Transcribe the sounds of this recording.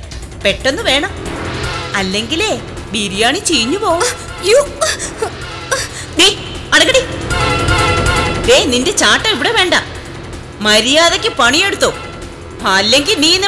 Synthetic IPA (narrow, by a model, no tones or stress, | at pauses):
pe̞ʈːe̞nːɨʋe̞ːɳɐm | ɐlːeŋɡile | biɾijaːɳit͡ɕejɲːupoː | juː | niː | ɐɽɐkːɐɽi | deːninde̞t͡ɕaːʈːɐmiʋiɽeʋe̞ːɳɖa | mɐɾijaːðɐkʲːɨpɐɳijeɽut̪ːoː | ɐlːe̞ŋɡilniːni